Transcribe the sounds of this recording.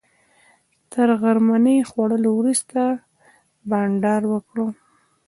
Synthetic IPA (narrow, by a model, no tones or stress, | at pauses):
t̪ʰəɾɣaɾmanəjxwaɽəlowɾust̪a | baɳɖɑɾwəkɽo